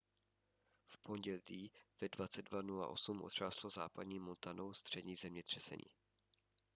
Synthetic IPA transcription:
fpʰo̞ɲɟɛliːvɛdvat͡sɛd̚dvanula̰ʔo̞̰sumʔod̪r̝̥aːsloza̰ːpadɲiːmont̪anowst̪r̝̥ɛdɲiːzɛmɲɛt̪r̝̥ɛsɛ̰ɲḭː

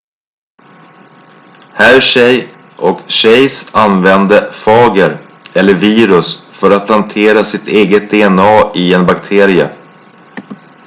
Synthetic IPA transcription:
hæːɾɕɛj | ʔɔkɕɛjsanvɛnd̪əfɑːɡəɾ | ɛlːəɾviːɾɵsfœɾat̪̚lant̪ʰeːɾasɪt̪ʰeːɡət̪̚d̪eɛnɑːɪɛnbakt̪ʰeːɾɪə̰

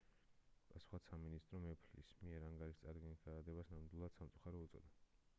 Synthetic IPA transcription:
pʼasu̥χasaminist̪ʼɾɔmɛpʰlḭsmiɛɾaŋɡaɾist̪sʼaɾɡɛnɡaad̪ɛbasnamd̪wilˠad̪̥samt̪sʼuχaɾɔut̪sʼɔ̰d̪a

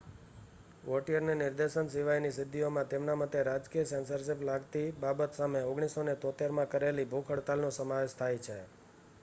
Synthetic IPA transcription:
ʋɔʈijəɾnenɪɾd̪eʃənsɪʋajnisɪd̪ʱːiomãt̪emnamat̪eɾad͡ʒkijəsɛnsəɾʃ̬ɪplaɡt̪ibabət̪sameoɡɽ̃isonet̪ot̪eɾmãkəɾelibʱokʰəɽt̪alnõsəmaʋeʃt̪ʰajt͡ʃʰe

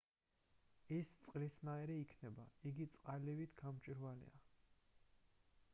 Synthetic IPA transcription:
ist̪sʼqʼlisnaɛɾɛikʰnɛbaiɡit̪sʼqʼalivit̪ʰɡamt͡ʃʼiɾvalḭa

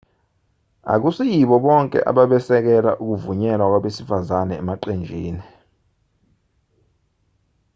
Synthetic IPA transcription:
a̰k̬usijiɓɔɓɔŋkʼɛ̰ʔa̰ɓaɓɛsɛk̬ɛla̰ʔuk̬uvuɲɛlwak̬waɓesifazanɛːmaǃend͡ʒʱiːni

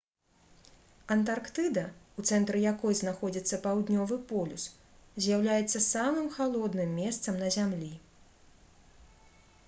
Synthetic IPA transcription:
ɐnt̪̬arkt̪ɨd̪ɐut̪sɛnt̪ɾɨjakɔjznaxɔd͡zʲit̪sːɐpawd̪nʲɔvɨpɔlʲṵs | zʲjawlʲajɛt̪sːɐsamɨmxalˠɔd̪nɨmːʲɛst̪sɐmnɐzʲamlʲi

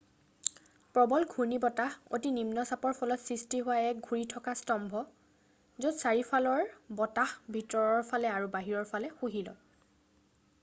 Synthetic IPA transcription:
pɹɔbɔlɡʱuɹnibɔtaho̰tinimnɔsapɔɹpʰɔlɔtsɹistiɦʊwaɛk̚ɡʱuɹitʰɔkastɔmbʱɔ | zotsaɹipʰalɔɹbɔtahbʱitɔɹɔɹpʰalɛaɹubaɦiɹɔɹpʰalɛxuɦilɔ̰

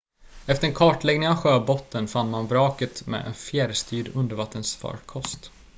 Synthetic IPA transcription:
ɛft̪əɾɛnkʰɑːʈɭɛɡnɪŋavɧøːbɔt̪ːənfanːmanbɾɑːkət̪mɛ̰ɛ̰nfjɛːɾst̪yːɖɵnd̪əɾvat̪ːənsfœ̰ːɖkʰɔst̪

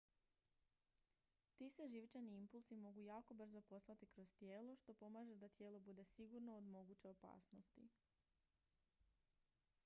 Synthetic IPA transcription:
t̪iseʒiʋt͡ʃaniimpulˠsimo̞ɡujaːko̞br̩zo̞po̞slˠat̪ikɾo̞zt̪je̞ːlˠoʃt̪o̞po̞maːʒed̪at̪je̞ːlˠo̞bud̪e̞siɡuɾnood̪mo̞ɡut͡ɕeo̞pa̰ːsno̞st̪ḭ

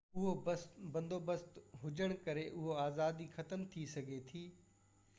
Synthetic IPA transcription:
ʊɦobsbɐ̃nd̪obəst̪ɦʊd͡ʑəɽ̃kɐɾeʔʊɦoaːzaːd̪ixɐt̪əmt̪ʰisɐɡʱet̪ʰiː

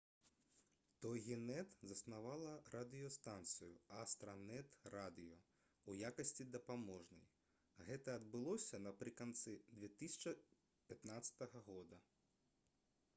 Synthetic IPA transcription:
t̪ɔjɣʲinɛt̪zɐsnavalˠɐɾʔad̪ɨjɔst̪ant̪sɨjuast̪ɾɐnɛt̪rad̪ɨjɔ | ujakɐsʲt͡sʲid̪ɐpamɔʐnɐj | ɣɛt̪ɐɐd̪bɨlˠɔsʲɐnɐpɾɨkant̪sɨd̪vʲɛt̪ɨsʲɐ̥t͡ʂɐ | pʲat̪nat̪sɐ̥t̪ɐɣɐɣɔd̪ɐ

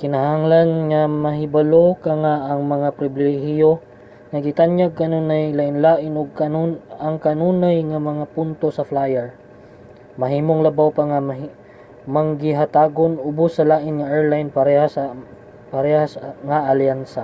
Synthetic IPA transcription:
kɪnɐɦaŋlanŋɐmɐɦɪbɐlokɐŋaʔɐŋmɐŋapɾɪbɪlɛhɪjo | ŋɐɡɪt̪anjaɡ̚kɐnunajlaʔɪnlaːʔɪnʊɡ̚kɐnnɐŋkɐnuːnajŋɐmɐŋapʊnt̪osɐflajɛɹ | mɐɦiːmoŋlɐbawpaŋɐ | mɐŋɡɪɦɐt̪aːɡonʔʊbʊsːɐlaːʔɪnŋɐʔɛɹlajnpɐɾɛhasɐ | pɐɾɛhasŋaʔaljansɐ

